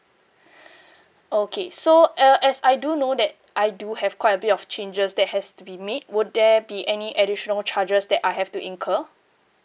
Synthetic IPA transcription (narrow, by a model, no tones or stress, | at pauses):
okʰesoəʔɛsajdunodɛt̚ʔajduhɛv̥kwajtəbɪtɔft͡ʃẽnd͡ʒəsdɛt̚hɛstubimet̚wud̚dɛbiʔɛniʔɛdiʃɔnəlt͡ʃʰad͡ʒəsdɛtajɦɛftuʔĩŋkʰə